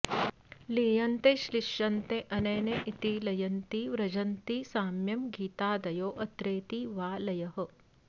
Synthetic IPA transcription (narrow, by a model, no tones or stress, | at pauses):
liːjɐnt̪eʃliʃjɐnt̪eʔɐneːneʔit̪ilɐjɐnt̪iʋɾɐd͡ʒɐnt̪isaːmjɐmɡiːt̪aːd̪ɐjoːʔɐt̪ɾeːt̪iʋaːlɐjɐɦɐ̆